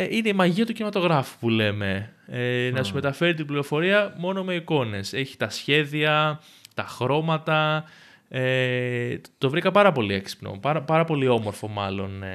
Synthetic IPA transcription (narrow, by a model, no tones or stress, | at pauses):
ine̞imɐʝiɐt̪ucinimɐt̪o̞ɣɾɐfu̥pule̞me̞enɐt̪uzme̞t̪ɐfe̞ɾit̪̬ibliɾo̞fo̞ɾiɐmo̞no̞me̞iko̞ne̞se̞çi̥t̪ɐsçe̞ðiɐ | t̪ɐxɾo̞mɐt̪ɐ | e | t̪o̞vɾikɐpɐɾɐpo̞lieksi̥pno̰pɐɾɐpɐɾɐpo̞lio̞mo̞ɾfo̞mɐlo̞̰n